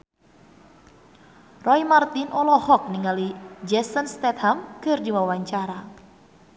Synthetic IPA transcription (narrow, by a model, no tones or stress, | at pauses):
rɔjmart̪inʔɔlɔhɔk̚niŋalid͡ʒɛsənst̪ɛt̪hamkɨrdiwawaɲt͡ʃaɾa